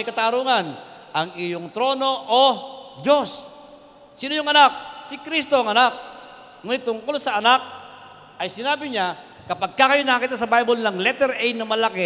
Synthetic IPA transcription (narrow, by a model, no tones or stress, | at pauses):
jkɐt̪aɾuŋanʔɐŋɪjoŋt̪ɾoːno̞ʔod͡ʒos | sinojʊŋɐnak̚sɪkɾist̪oɐŋɐnak̚ | ŋunɪt̪ːʊŋkolsɐɐnak̚ | ʔɐjsɪnaːbɪɲa | kɐpaɡ̚kakɐjonɐkakit̪̬asɐbajbolnɐŋlɛt̪ɛɾɛjnɐmɐlake